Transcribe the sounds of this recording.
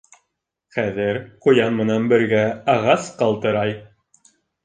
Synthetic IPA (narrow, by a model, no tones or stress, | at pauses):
χæðɘɾqŏjɑnmɘ̆nænbɘ̆ɾɡæɑʁɑsqɑlˠt̪ɤ̆ɾɑj